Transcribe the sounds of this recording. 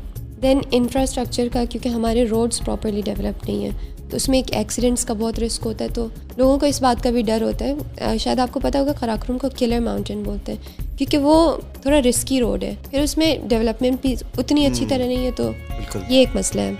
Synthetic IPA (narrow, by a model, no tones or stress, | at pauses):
d̪ɛnɪ̃nfɾasʈɾɐk̚t͡ʃəɾkakjõːkeɦɐmaːɾeɾoːɖzpɾɔːpəɾliɖɛʋɛləp̚ʈnɐɦĩɦɛ̰̃ːt̪oʊsmẽeːkɛ̰ːksɪɖɛ̃ɳʈskabɔːt̪ɾɪskɦoːt̪aɦɛt̪o | loːɡõkoɪsbaːt̪kabʱiɖɐɾɦoːt̪aɦɛʃaːjəd̪aːp̚kopɐt̪aɦoːɡakɐɾaːkɾuːmkokɪləɾmãːʊ̃ɳʈɪ̃nboːlt̪aɦɛ̃ːkjõːkeʋot̪ʰoːɽaɾɪskiɾo̰ːɖɦɛ̰ːpʰɪɾʊsmẽɖɛʋɛləpmɛ̃ɳʈ̚bʱiʊt̪niɐtːʃʰit̪ɐɾɐnɐ̃ɦĩɦɛt̪o̰bɪlkʊ̰ljeeːkmɐslaɦɛː